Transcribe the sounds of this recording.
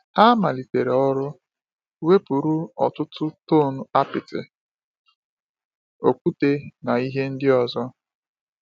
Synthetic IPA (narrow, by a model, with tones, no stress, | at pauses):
a˦ma˨li˨te˨ɾe˨ɔ˦ɾʊ˦ | we˦pu˨ɾu˦ɔ̰˨tʊ˦tʊ˦to˦˨nu˦a˦pɪ˨tɪ̰˨ | o˨kʷu˦te˦na˨i˦ɦe˦n̩˦dɪ˦ɔ˨zɔ˦